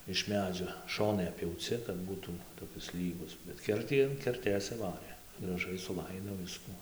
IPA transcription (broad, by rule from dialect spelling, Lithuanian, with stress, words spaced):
ɪʃ ˈmʲæːd͡ʒʲoː ˈʃoːnɐɪ ɐpʲpʲjɛʊˈt͡sʲɪ kɐt ˈbuːtuː toːˈkʲɪs ˈlʲiːɡʊs bʲɛt ˈkʲɛrʲtʲiː ɐn kʲɛrʲˈtʲeːs sʊˈʋɑːrʲeː ɡrɐˈʒɐɪ sʊˈlˠɐɪdoː ˈʋʲɪskʊ